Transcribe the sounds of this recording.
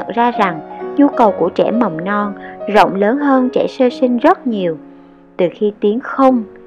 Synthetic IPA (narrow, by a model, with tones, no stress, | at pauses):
ə̰˧˨nzaː˧za˨˩ŋɲu˧kə˨˩wku˧˩ət͡ɕɛ̰˧˩mə˨˩wŋ͡mnɔ˧nzo̰˧˨wŋ͡mləː˨˦nɦəː˧nt͡ɕɛ̰˧˩səː˧sï˧ŋ̟zə˦˥t̚ɲi˨˩əw | t̪ɨ˨˩xi˧t̪i˨˦ənxə˧wŋ͡m